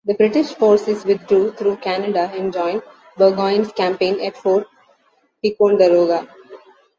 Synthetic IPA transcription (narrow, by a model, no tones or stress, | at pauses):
d̪əbɾɪʈɪʃfoːɾsɪzʋɪd̪̚ːɾuːt̪ʰɾuːkænəɖaɪ̃nd͡ʒɔ̃ɪ̃nɖ | bəːɡɔ̃ɪ̃nzkæ̃mpẽːnɛʈfoːɾt̪ | pikõːɳɖəɾoːɡa